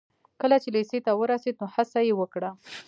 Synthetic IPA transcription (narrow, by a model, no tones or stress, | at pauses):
kəlat͡ʃeleset̪awəɾased̪̚nohasajewəkɽa